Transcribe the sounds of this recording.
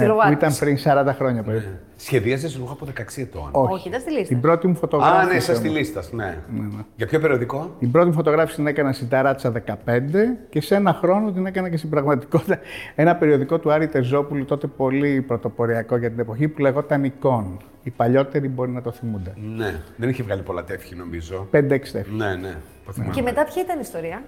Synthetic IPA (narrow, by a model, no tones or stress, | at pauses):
uit̪ɐmpɾinsɐɾɐnd̪ɐxɾo̞ɲɐpeɾi | sçeðiɐsesuxɐpoðekɐeksiet̪o̰no̞çiit̪ɐst̪ilist̪ibɾot̪imufo̞t̪o̞ɣɾafnesɐst̪ilist̪ɐsnḛneneʝɐpçopeɾio̞ðiko̞t̪imbɾot̪imufo̞t̪o̞ɣɾɐfisit̪inekɐnɐnst̪id̪ɐɾɐt̪t͡sɐðe̞kɐpe̞nd̪e̞ce̞se̞nɐxɾo̞not̪̬ine̞kɐnɐcest̪ibɾɐɣmɐt̪i̥ko̞t̪it̪ɐe̞nɐpe̞ɾio̞ðiko̞t̪uɐɾiut̪e̞zo̞pulut̪o̞t̪e̞po̞lipɾo̞t̪o̞po̞ɾiɐko̞ʝɐt̪inepo̞çipuleɣo̞t̪ɐniko̞n | ipɐʎo̞t̪e̞ɾibo̞ɾinɐt̪o̞θimund̪eneðeniçevɣɐlipo̞lɐt̪efçino̞mizo̞pe̞nd̪eekst̪efnene | t̪oθimemet̪ɐpçɐit̪ɐniːst̪o̞ɾiɐ